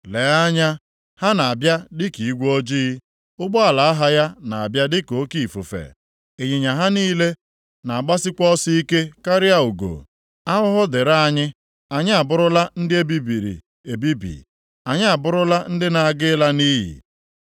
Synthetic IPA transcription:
le˨a˦ɲa˦ | ha˦na˨a˨bja˦dɪ˦ki˨i˦ɡʷo˦d͡ʒi˦ | ʊ˦ɡ͡bɔ˦a˨la˨a˦ɦa˦ja˦na˨a˨bja˦dɪ˦ko˨˦ki˨fu˨fḛ˨ | e˨ɲe˨ɲa˨ɦa˦niː˦le˦ | na˨a˨ɡ͡ba˦sɪ˦kʷɔ˦si˦i˦ke˦ka˦ɾja˦u˨ɡo̰˨ | a˦ɦʊ˦ɦʊ˦dɪ˨ɾa˦a˦ɲɪ˦ | a˨ɲɪ˦a˨bʊ˦ɾʊ˦la˦n̩˦dɪ˦e˦bi˦bi˨ɾḭ˨ | e˨bi˦bḭ˨ | a˨ɲɪ˦a˨bʊ˦ɾʊ˦la˦n̩˦dɪ˦na˨a˨ɡɪ˦la˦niː˦ɦḭ˨

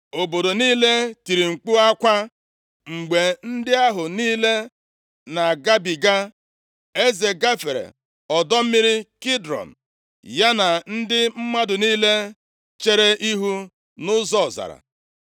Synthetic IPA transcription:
o˨bo˨do˨niː˦le˦ti˨ɾi˨ŋ͡m̩˨k͡pu˦a˦kʷa˦ | ŋ͡m̩˨ɡ͡be˨n̩˦dɪ˦a˦ɦʊ˨niː˦le˦ | na˨ɡa˦bi˨ɡa˦ | e˦ze˨ɡa˦fe˨ɾḛ˨ | ɔ˨dɔ˦m̩˦mi˦ɾɪ˦ki˦dɾɔ̰˨m̩˨ | ja˦na˨n̩˦dɪ˦m̩˦ma˦dʊ˨niː˦le˦ | t͡ʃe˦ɾe˦ʔi˦ɦu˦ | nʊ˦zɔ˦˨za̰˨ɾa̰˨

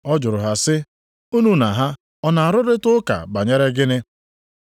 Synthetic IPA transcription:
ɔ˦d͡ʒʊ˨ɾʊ˨ɦa˨sɪ˦ | u˦nu˦na˨ɦa˦ | ɔ˦na˨a˨ɾʊ˦ɾɪ˦tʊ˦ka̰˨ba˨ɲe˦ɾe˦ɡɪ˦nɪ˦

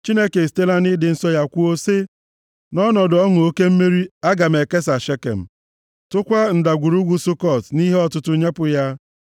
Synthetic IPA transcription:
t͡ʃi˦ne˦ke˨ste˦la˦ni˦dɪ˨n̩˦sɔ˦ja˦kʷu˦o˦se˦ | nɔ˦nɔ˨dɔ˦ŋʊ˨o˦ke˦m̩˦me˦ɾi˦a˦ɡa˨me˨ke˦s̬a˨ʃe˦kḛ˨m̩˨ | tʊ˦kʷa˦n̩˨da˨ɡʷu˨ɾu˦ɡʷu˦sʊ˦kɔ˨tni˦ɦe˦ɔ˦tʊ˦tʊ˦ɲe˦pʊ˨ja˦

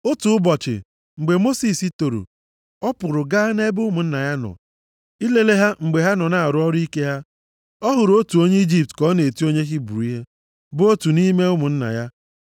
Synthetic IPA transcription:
ʊ˦tu˨ʊ˦bɔ˨t͡ʃɪ̰˨ | ŋ͡m̩˨ɡ͡be˨mo˦si˨si˦to˨ɾṵ˨ | ɔ˦pʊ˨ɾʊ˨ɡa˦ne˦bʊ˦mʊ˨n̩˦na˨ja˦nɔ̰˨ | i˦le˦le˦ɦa˦ŋ͡m̩˨ɡ͡be˨ɦa˦nɔ˨na˨a˨ɾʊ˨˦ɔ˦ɾi˦ke˦ɦa˦ | ɔ˦ɦʊ˨ɾo˦tu˨o˦ɲe˦i˦d͡ʒi˦p̚tkɔ˦ne˨to˦ɲe˦ɦi˦bṵ˨ɾu˨˦i˦ɦe˦ | bʊ˦o˦tu˨ni˦me˦ʊ˦mʊ˨n̩˦na̰˨ja˦

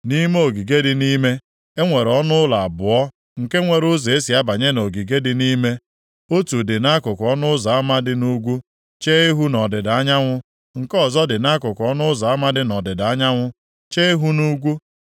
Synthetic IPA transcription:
ni˦me˦o˨ɡi˨ɡe˦dɪ˦ni˦me˦ | e˦ŋʷe˨ɾɔ˦nʊ˦la˨a˨bʊ˨ɔ˦ | ŋ̩˨ke˦ŋʷe˨ɾʊ˦ze˨e˦si˨a˦ba˨ɲe˦no˨ɡi˨ɡe˦dɪ˦ni˦me˦ | o˦tu˨dɪ˨na˦kʊ˨kɔ˦nʊ˦za˨a˦ma˦dɪ˦nu˦ɡʷu˦ | t͡ʃe˦e˦ɦu˦nɔ˨dɪ˨da˦ɲa˦ŋʷʊ˦ | ŋ̩˨kɔ˦˨zɔ˦dɪ˨na˦kʊ˨kɔ˦nʊ˦ʊ˦za˨a˦ma˦dɪ˦nɔ˨dɪ˨da˨˦ɲa˦ŋʷʊ˦ | t͡ʃe˦e˦ɦu˦nu˦ɡʷu˦

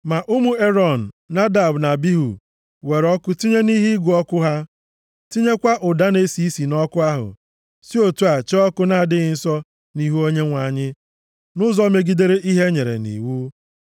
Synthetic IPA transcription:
ma˨ʔʊ˦mu˨e˦ɾɔ˨n̩˨na˦da˨bna˨bi˦ɦṵ˨ | we˨ɾɔ˦kʊ˦ti˦ɲe˦ni˦ɦi˦ɡʷu˨ɔ˦kʊ˦ɦa˦ | ti˦ɲe˦kʷa˦ʔʊ˨da˦ne˦si˦si˨nɔ˦kʊ˦a˦ɦʊ̰˨ | si˦o˨tu˦a˨t͡ʃe˦ɔ˦kʊ˦na˨a˨dɪ˦ɣɪ˦n̩˦sɔ˦ | ni˦ɦu˦o˦ɲe˦ŋʷa˨ɲɪ˦ | nʊ˦zɔ˦me˦ɡi˦de˦ɾe˦ʔi˦ɦe˦ɲe˨ɾḛ˨nḭ˨wu˦

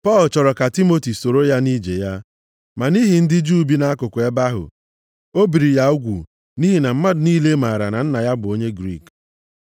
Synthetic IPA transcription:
pɔ˦˨lt͡ʃɔ˨ɾɔ˨ka˨ti˦mo˨ti˨so˨ɾo˦ja˦ni˦d͡ʒe˨ja˦ | ma˨ni˦ɦi˨n̩˦dɪ˦d͡ʒu˦bi˦na˦kʊ˨kʷʊ˨e˦ba˦ɦʊ̰˨ | o˦bi˨ɾi˨ja˦u˦ɡʷṵ˨ | ni˦ɦi˨na˨m̩˦ma˦dʊ˨niː˦le˦ma˨ɾa˨na˨n̩˦na˨ja˦bʊ˨o˦ɲe˦ɡɾḭ˦˨k

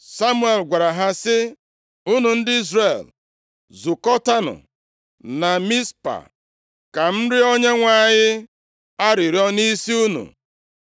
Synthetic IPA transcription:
sa˦mu˦e˨lɡʷa˨ɾa˨ɦa˦sɪ˦ | u˦nu˨n̩˦dɪ˦i˦zɾe˨l | zu˨kɔ˦ta˦nʊ̰˨ | na˨mi˦spa̰˨ | ka˨m̩˦ɾɪ˦o˦ɲe˦ŋʷa˦˨ɲɪ˦ | a˦ɾi˨ɾi˦ɔ˦ni˦si˦u˦nṵ˨

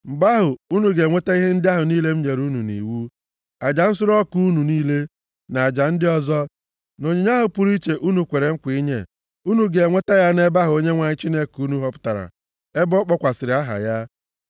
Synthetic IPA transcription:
m̩˨ba˦ɦʊ˨u˦nu˨ɡe˨ŋʷe˦te˦i˦ɦe˦n̩˦dɪ˦a˦ɦʊ˨niː˦le˦m̩˦ɲe˨ɾu˦nu˨nḭ˨wu˦ | a˨d͡ʒa˨n̩˦sʊ˦ɾɔ˦ku˦nu˨niː˦le˦ | na˨a˨d͡ʒa˨n̩˦dɪ˦ɔ˦zɔ˦ | no˨ɲe˨ɲ˦a˦ɦʊ˨pʊ˦ɾi˦t͡ʃe˨ʔu˦nu˨kʷe˨ɾe˨ŋ̩˦kʷi˦ɲḛ˦ | u˦nu˨ɡe˨ŋʷe˦ta˦ja˦ne˦ba˦ɦʊ˨o˦ɲe˦ŋʷa˨ɲɪ˦t͡ʃi˦ne˦ku˦nu˦ɦɔ˦pʊ̥˦ta˨ɾa̰˨ | e˦bɔ˦k͡pɔ˦kʷa˨sɪ˨ɾɪ˨˦a˦ɦa̰˨ja˦

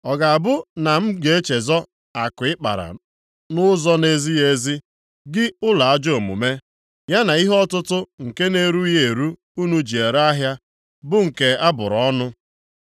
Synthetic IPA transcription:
ɔ˨ɡa˨a˨bʊ˦na˨m̩˦ɡ͡be˨e˦t͡ʃe˨zɔ˦ | a˨kʊ˨ɪ˦k͡pa̰˨ɾa̰˨ | nʊ˦zɔ˦ne˦zi˦je˦zi˦ | ɡɪ˦ʊ˦la˨a˦d͡ʒo˨mṵ˨me˦ | ja˦na˨i˦ɦɔ˦tʊ˦tʊ˦ŋ̩˨ke˦ne˦ɾu˦je˦˨ɾu˦ | u˦nu˦d͡ʒi˨e˨ɾa˦ɦja˦ | bʊ˦ŋ̩˨ke˨a˦bʊ̰˨ɾɔɔ˦nʊ˦

